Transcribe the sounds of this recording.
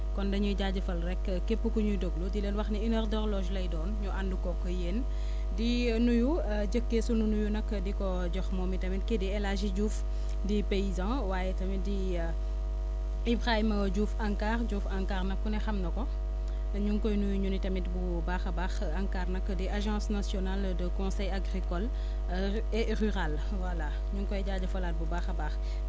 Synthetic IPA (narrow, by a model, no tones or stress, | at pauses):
kɔndɐɲuɟaːɟɐfɐlrɛkː | kːepːukɔɲudoɡludileːnwɐxniinɐrdɔɾlɔʒlɐjdɔːnɲuʔanduɡɔkːɔjeːn | di | nuju | ɟəkːesununujunɐkːdikɔ | ɟɔxmɔːmitɐmitkediɛlaʒiɟuːf | dipeizã | waːjɛtɐmidi | ibʁaiməɟuːfɐŋkaːɾɟuːfaŋkaːɾnɐkːunɛxɐmnɐkɔ | ɲuŋkɔjnuɲunitɐmit̚bu | baːxɐbaːx | aŋkaːrnɐkːədiʔaʒɑ̃snasjɔnaldəkɔ̃sɛjaɡɾikɔl | ɛ | ryʁal | wala | ɲuŋkɔjɟaːɟɐfɐlaːt̚bubaːxɐbaːx